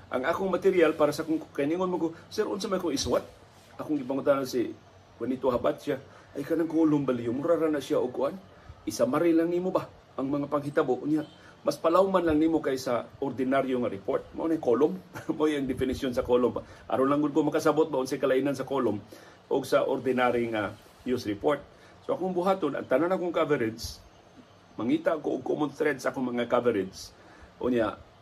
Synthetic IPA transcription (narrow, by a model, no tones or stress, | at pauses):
ʔa̰ŋʔakʊŋmat̪ɪɾjalpaːɾasakʊŋkkainiŋonmakosɛɾʔʊ̰nsamajkʊŋɪswat̪̚ | ʔakʊŋɡɪp̬aŋʊnt̪anasi | kwanit̪oɦabat̪̚t͡ʃa | ʔajkanaŋkolʊmbalɪjʊmʊɾaɾanaʔsiaʔʊɡ̚kʊʔan | ʔɪsamaɾɪlaŋnimoba | ʔaŋmɐŋapaŋɦit̪aboʔʊnjaʔ | maspalawmanlaŋnimokajsaoɾd̪ɪnaɾjoŋaɾɪpoɹt̪̚ma̰ʔonajkolʊmmojɐŋd̪ɪfɪnɪsjonsɐkolomaʔa̰ɾonlaŋɡʊd̪̚komɐkas̬abot̪̚baʊnsajkɐlaʔinansɐkolʊm | ʔoɡsaʔo̰ɾd̪ɪnaɾɪŋa | jusɾɪpoɹt̪̚ | soʔɐkoŋbʊɦaːt̪onʔa̰ŋt̪ananakoŋkavɛɾɪd͡ʒs | mɐŋiːt̪aʔkoʔʊɡ̚koʔmʊnθɾɛd̪̚saʔakoŋmɐŋakavɛɾɪd͡ʒs | ʔʊ̰nja̰ʔ